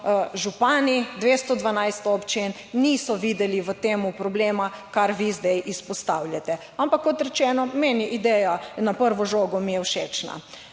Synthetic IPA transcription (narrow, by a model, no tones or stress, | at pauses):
ʒupaːnid̪ʋeːst̪ɔd̪ʋanajst̪ɔːpt͡ʃen | niːsɔʋiːd̪ɛliʋət̪eːmupɾɔbleːmakaɾʋizd̪ɛjʔispɔst̪awljat̪ɛ | ampakːɔt̪ɾɛt͡ʃɛːnɔmeniʔid̪ɛjanapəɾʋɔʒoːɡɔmijɛwʃeːt͡ʃna̰